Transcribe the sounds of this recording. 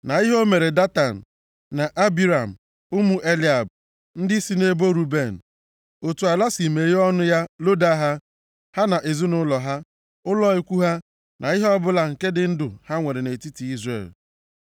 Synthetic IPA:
na˨i˦ɦo˦me˨ɾe˨da˦ta˨n̩˨ | na˨ʔa˦bi˦ɾa˨m̩˨ | ʊ˦mu˨ʔe˦li˦˨a˨b̚ | n̩˦dɪ˦si˦ne˦bo˦ɾu˨be˨n̩˨ | o˨tu˨a˨la˦si˨me˨ɾi˦ɔ˦nʊ˦ja˦lo˦da˦ɦa˦ | ha˦na˨ʔe˨zu˦nʊ˦lɔ˨ɦa˦ | ʊ˦lɔ˦i˦kʷu˦ɦa˦ | nʔa˨i˦ɦɔ˦bʊ˦la˨ŋ̩˨ke˦dɪ˦n̩˦dʊ˨ha˦ŋʷe˨ɾe˨ne˨ti˦ti˨i˦zrḛ˨l

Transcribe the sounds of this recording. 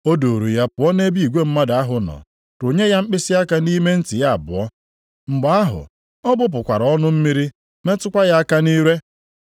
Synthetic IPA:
o˦do˨ɾu˨ja˦pʊ˨˦ɔ˦ne˦bi˦˨i˨ɡʷe˦m̩˦ma˦da˨a˦ɦʊ˨nɔ̰˨ | ɾo˨ɲe˦ja˦ŋ͡m̩˦k͡pɪ˦sɪ˦a˦ka˦ni˦me˦n̩˦ti˨ja˦a˨bʊ˨ɔ˦ | ŋ͡m̩˨ɡ͡ba˨˦a˦ɦʊ̰˨ | ɔ˦bʊ˦p̬ʊ˨kʷa˨ɾɔ˦nʊ˦m̩˦mi˦ɾi˦ | me˦tʊ˦kʷa˦ja˦a˦ka˦ni˦ɾe˦

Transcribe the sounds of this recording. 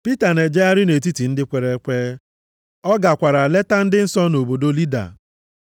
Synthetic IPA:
pi˦ta˨ne˨d͡ʒe˦a˦ɾɪ˦ne˨t̬i˦ti˨n̩˦dɪ˦kʷe˨ɾe˨˦kʷeː˦ | ɔ˦ɡa˨kʷa˨ɾa˨le˦ta˦n̩˦dɪ˦n̩˦sɔ˦no˨bo˨do˦li˦da̰˨

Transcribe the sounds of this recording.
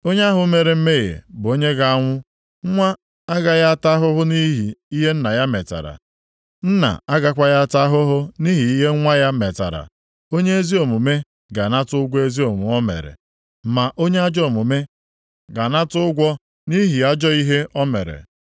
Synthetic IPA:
o˦ɲe˦a˦ɦʊ˦me˨ɾe˨m̩˦me˦˨jḛ˨bʊ˨o˦ɲe˦ɡa˨a˦ŋʷʊ˦ | ŋ̩˦ŋʷa˦ | a˦ɡa˨ja˦a˦ta˦ɦʊ˦ɦʊ˦ni˦ɦi˨i˦ɦe˦n̩˦na˨ja˦me˨ta̰˨ɾa̰˨ | n̩˦na̰˨a˦ɡa˦kʷa˦ja˦ta˦ɦʊ˦ɦʊ˦ni˦ɦi˨i˦ɦe˦ŋʷa˦ja˦me˨ta̰˨ɾa̰˨ | o˦ɲe˦e˦zi˦o˨mu˨me˦ | ɡa˨na˦tʊ˦ʊ˦ɡʷɔ˦e˦zi˦o˨mu˨ɔ˦mḛ˨ɾḛ˨ | ma˨ʔo˦ɲe˦a˦d͡ʒɔ˦o˨mʊ˨me˦ | ɡa˨na˦tʊ˦ʊ˦ɡʷɔ˦ | ni˦ɦi˨a˦d͡ʒɔ˦i˦ɦe˦ʔɔ˦me˨ɾḛ˨

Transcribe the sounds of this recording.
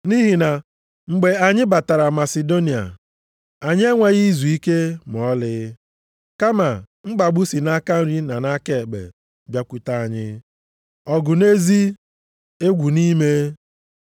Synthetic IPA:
ni˦ɦi˨na˨ | ŋ͡m̩˨ɡ͡be˨a˨ɲɪ˦ba˨ta˨ɾa˨ma˨se˨do˦ni˨a̰˨ | a˨ɲɪ˦e˦ŋʷa˨ɣi˦zu˨i˦ke˦m˨ɔ˦lɪ˦ | ka˦ma˨ | ŋ͡m̩˦ɡ͡ba˨ɡ͡bu˦si˨na˦ka˦n̩˦ɾi˦na˨na˦ke˦˨ɡ͡bḛ˨ | bja˦kʷu˨ta˨a˨ɲɪ˦ | ɔ˨ɡʊ˨ne˦zi˦ | e˦ɡʷu˨ni˦me˦

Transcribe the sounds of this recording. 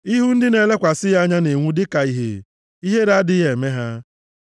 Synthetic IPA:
i˦ɦu˦n̩˦dɪ˦ne˨le˦kʷa˨sɪ˦ja˦ɲa˦ne˨ŋʷu˦dɪ˦ka˨i˦ɦḛ˨ | i˦ɦe˦ɾa˦dɪ˦je˨me˦ɦa˦

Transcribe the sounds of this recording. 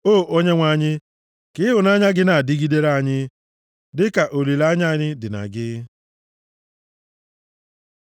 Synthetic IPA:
oː˦˨ʔo˦ɲe˦ŋʷa˨ɲɪ˦ | kɪ˦ɦʊ˨na˦ɲa˦ɡɪ˦na˨a˨dɪ˦ɡi˦de˦ɾa˦ɲɪ˦ | dɪ˦ka˨ʔo˨li˨la˦ɲ˦a˦˨ɲɪ˦dɪ˨na̰˨ɡɪ˦

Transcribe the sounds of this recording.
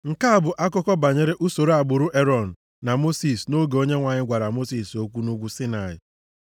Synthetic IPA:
ŋ̩˨ka˦a˦˨bʊ˨ʔa˦kɔ˦kɔ˦ba˨ɲe˦ɾe˦ʔu˦so˨ɾo˦a˨ɡ͡bʊ˨ɾʊ˦ʔe˦ɾɔ˨n̩˨ | na˨mo˦si˨sno˦ɡe˨o˦ɲe˦ŋʷa˨ɲɪ˦ɡʷa˨ɾa˨mo˦si˨so˦kʷu˦nu˦ɡʷu˦sɪ˦na˨ɪ̰˨

